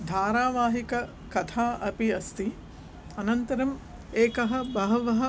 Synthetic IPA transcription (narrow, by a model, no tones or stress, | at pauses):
d̪ʱaːɾaːʋaːɦikɐ | kɐt̪ʰaːʔɐpiɐst̪i | ɐnɐnt̪ɐɾɐm | eːkɐɦɐ̆bɐɦɐʋɐɦɐ